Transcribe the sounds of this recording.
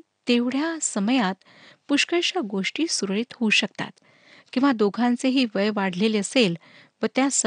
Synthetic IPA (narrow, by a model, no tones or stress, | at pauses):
t̪eʋɽ̤jasəməjat̪ | puɕkəɕaɡoʂʈiːsuɾɭiːt̪ɦouɕəkt̪a̰t̪ | kĩw̃ʋad̪oɡʱãnt͡seɦiːʋəjʋaɽ̤leleəsel | ʋət̪jasə